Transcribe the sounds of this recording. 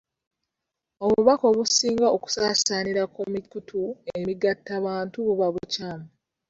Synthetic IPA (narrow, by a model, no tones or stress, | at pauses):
oβuβako̞βusiːŋɡaoku̥saːsaniɾakomikutʰuemiɡatːaβaːntuβuβaβucaːmu